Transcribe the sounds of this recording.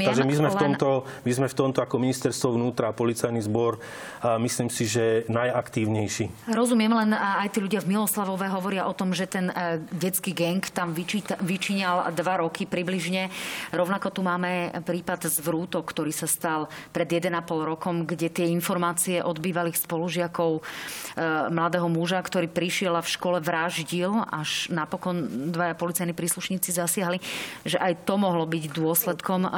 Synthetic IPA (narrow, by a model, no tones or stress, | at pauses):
aɡʒɛmizmɛflɛɔmt̪ɔmizmɛft̪ɔmt̪ɔakɔminist̪ɛɾst̪ʋɔʋnuːt̪ɾapɔlit͡sajnizbɔɾ | misliːmsiʒɛnajakt̪iːʊɲɛjʃiːɾɔzumɪɛmlɛnajt̪iːʎuɟɪavmilɔslaʋɔʋɛɦɔʋɔɾɪaʔɔt̪ɔmʒɛt̪ɛnɟɛt͡skiːɡɛŋkt̪amʋit͡ʃit̪ʋit͡ʃiɲald̪ʋaɾɔkʰipɾibliʒɲɛɾɔʊnakɔt̪umaːmɛpɾiːpad̪zʋɾuːt̪ɔkkt̪ɔɾiːsast̪alpɾɛd̪jɛd̪ɛnapɔlɾɔkɔmɡɟɛt̪ɪɛinfɔɾmaːt͡siɛʔɔd̪biːʋaliːxspɔluʒɪakɔʊ | mlad̪ɛːɦɔmuʒakt̪ɔɾiːpɾiʃɪɛlafʃkɔlɛʋɾaʒɟilaʒnapɔkɔnd̪ʋajapɔlit͡sajnipɾiːsluʃɲiːt͡sizasɪaɦliʒɛʔajt̪ɔmɔɦlɔbiɟd̪ʊɔslɛt̪kɔm